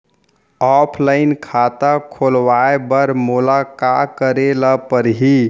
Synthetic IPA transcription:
ɔpʰlaɪnkʰat̪akʰolʋaebəɾmolakakəɾeləpəɾɦi

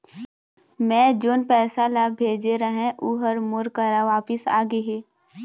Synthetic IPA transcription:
mɛ̃ːd͡ʒoːnpɛːsalabʱeːd͡ʒeɾəɦẽʔuːɦəɾmʊɾkəɾaʋaːpɪsa̰ːɡəɦeː

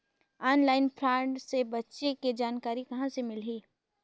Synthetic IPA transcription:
ɔːnlaːɪnpʰɾãːɳɖsebɐtːʃeked͡ʒaːnkaːɾikɐɦãsemɪlɦiː

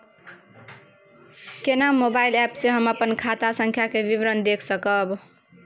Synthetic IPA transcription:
kenamobailɛpsẽɦəməpənkʰat̪asə̃ŋkʰjakebibɾənd̪ekʰsəkəb

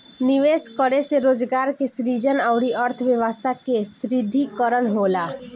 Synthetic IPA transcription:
nɪʋeːskəɽeseɾoːd͡ʒɡaːɾkesɾiːd͡ʒənəʊɽiʔəɾt̪ʰʋjəʋəst̪ʰakesɾid̪ʱikəɾənɦoːlaː

